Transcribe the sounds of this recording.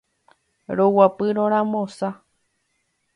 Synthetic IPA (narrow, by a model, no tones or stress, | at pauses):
ɾowapɨɾõɾ̃ãmõsa